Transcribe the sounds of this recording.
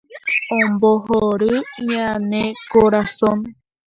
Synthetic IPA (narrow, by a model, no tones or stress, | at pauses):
õmboɦoɾɨɲanẽkoɾasõm